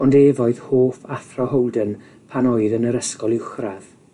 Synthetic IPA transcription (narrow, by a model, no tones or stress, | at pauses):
ɔndeːvɔɨðhoːfaθrɔhɔwˠdən | pʰanɔɨðənəɾəskɔlˠɪwχrað